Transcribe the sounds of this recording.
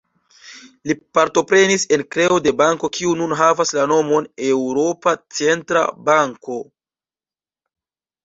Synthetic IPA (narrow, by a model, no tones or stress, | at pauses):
lipaɾto̞pɾe̞nise̞nkɾe̞ode̞baŋko̞kʰiununɦavaslano̞mo̞ne̞wuɾo̞pat͡se̞ntɾa̰baŋko̞